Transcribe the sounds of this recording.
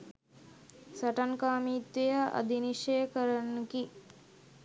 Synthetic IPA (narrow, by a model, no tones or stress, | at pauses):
saʈankaːmiːt̪ʋejəʔa̰d̪iniʂejəkəɾənːəki